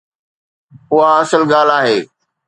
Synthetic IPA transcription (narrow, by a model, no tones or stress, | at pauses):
ʊaɐsəlɡaːl̤aːɦeː